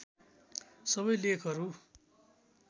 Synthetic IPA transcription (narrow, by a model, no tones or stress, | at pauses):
sʌβʌjlekʰʌɾu